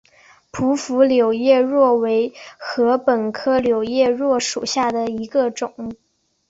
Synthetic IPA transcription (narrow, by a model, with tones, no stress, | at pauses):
pʰu˧˥fu˧˥ljo˨˩ʊjɛ˥˧ɻwɔ˥˩we˧˥ɪxɤ˧˥pə˨˩nkʰɤ˥˩ljo˨˩ʊjɛ˥˧ɻwɔ˥˩ʂṵ˨˩ɕja˥˩d̪ə˩i˧˥ɡə˧ʈ͡ʂʊ˨˩˦ŋ